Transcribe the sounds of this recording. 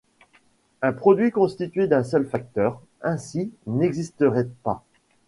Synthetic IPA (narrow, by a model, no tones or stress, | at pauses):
ɛ̃pχɔd̪ɥikɔ̃st̪it̪ɥed̪ɛ̃sœlfak̚t̪œːʁ | ɛ̃sinɛɡzist̪əʁɛpa